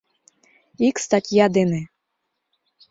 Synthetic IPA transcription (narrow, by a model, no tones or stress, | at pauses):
ikst̪atʲjad̪ene